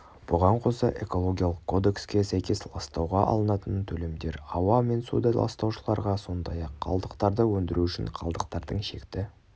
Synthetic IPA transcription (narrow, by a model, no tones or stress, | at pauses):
b̥ʊʁɑɴqʰo̞səʔe̞̰ko̞lˠo̞ɡʲijalˠəqkʰːo̞d̪e̞kskʲesæjkʲe̞slˠɑst̪ɑwʁɑʔɑ̰lˠənɑt̪ənt̪ʰɵle̞md̪e̞ɾɑwɑme̞nsud̪ɑlˠɑ̰st̪ɑwʃəlˠɑɾʁɑso̞nd̪ɑjɑqʰːɑ̰lˠd̪əqt̪ɑɾd̪əwɵnd̪ɪɾuʏʃɪ̰ɴqʰɑlˠd̪əqt̪ɑɾd̪əɴʃe̞kt̪ɪ